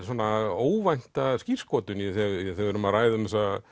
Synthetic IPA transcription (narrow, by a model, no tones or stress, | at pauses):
soɔnaoːwvajn̥t̪ascir̥skɔːt̪ʏniθɛɣiθɛɣvʏɾʏmaðɾaːjðʏmɛsa